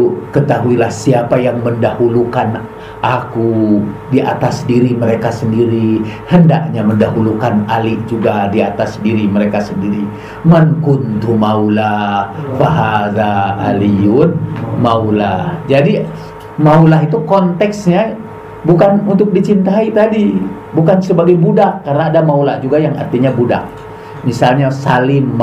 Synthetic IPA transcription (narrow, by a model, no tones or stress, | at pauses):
kət̪aɦuilahsiapajaŋməndahulukan | ʔakudiʔa̰t̪asdiɾiməɾekasəndiɾihəndaʔɲaməndaɦulukanaliʔd͡ʒuɡadiat̪asdiɾiməɾekasəndiɾi | məŋkʊnt̪umaulafaɦaða̰ːlijʊnmaula̰hd͡ʒadi | maulaɦit̪ukɔnt̪ɛksɲa | bukanunt̪ʊk̚dit͡ʃint̪ait̪adi | bukansəbaɡajbudakːarnaːdamaulahd͡ʒuɡajaŋa̰rt̪iɲabuda̰ʔ̚ | misalɲasalɪm